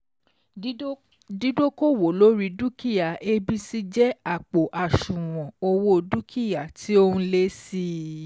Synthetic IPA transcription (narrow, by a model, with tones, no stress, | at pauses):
di˦do˦ko˦˨wo˨lo˦ɾi˧du˦ki˦˨ja˨e˧bi˦si˦d͡ʒɛ˦a˦˨k͡po˨ʔa˨ʃũ˨w̃ɔ̃˨o˧wo˦du˦kʰi˦˨ja˨tʰi˨˦o˦hũ˧˦le˦si˦